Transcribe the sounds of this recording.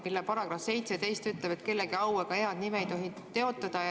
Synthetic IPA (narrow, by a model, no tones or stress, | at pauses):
milːepɑɾɑɡ̥rɑfse̞jt̪set̪e̞jst̪yt̪lepe̞t̪ke̞lːeɡiɑweɡ̥ɑe̞ɑd̪̥nimeejt̪o̞ɦi | t̪ːe̞o̞t̪ːˑɑd̪̥ɑj